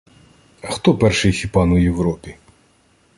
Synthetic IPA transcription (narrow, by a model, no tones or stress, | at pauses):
ɐxt̪ɔpɛrʃɪjxʲipɑnʊjewɾɔpʲi